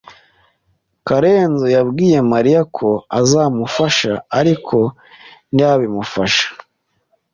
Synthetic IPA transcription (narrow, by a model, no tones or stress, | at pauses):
kaɾeːnzojabɡiːje̞maɾijakʰo̞azaːmufaʃaaɾikʰo̞ | nijaβimufaʃḁ